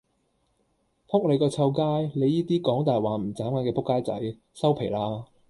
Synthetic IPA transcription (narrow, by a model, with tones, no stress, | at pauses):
pʰʊ˥k̚ne˨˧kɔː˧t͡sʰɐ˧wkaː˥jle˨˧jːiː˥t̪iː˥kɔː˨˥ŋt̪aː˨jwaː˨˩m̩˨˩t͡saː˨˥mkɐ˨˧nkɛː˧pʰʊ˥kːaː˥jt͡sɐ̰˨˥j | sɐ˥wpʰe˨˩laː˧˥